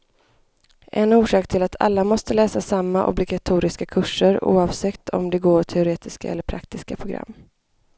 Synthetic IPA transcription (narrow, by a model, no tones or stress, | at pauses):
ʔɛnuːʂɑːkt̪ʰɪlat̪ʰa̰lːamɔst̪əlɛːsasamːaʔɔ̰blɪɡat̪ʰuːɾɪskakʰɵʂːəɾṵːɑvsɛkt̪ʰɔ̰md̪ɛɡoːʈʰɛʊɾeːt̪ɪska̰ɛ̰lːəɾpʰɾakt̪ɪskapʰɾʊɡɾa̰mː